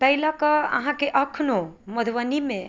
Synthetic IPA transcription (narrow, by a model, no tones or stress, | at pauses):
pəɦilakəə̰ɦãkeʔəkʰnoməd̪ʱʋənimẽ